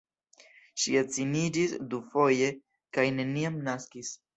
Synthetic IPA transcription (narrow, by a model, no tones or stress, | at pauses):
ʃiat͡sinid͡ʒisdufo̞je̞ | kajne̞niamnaskis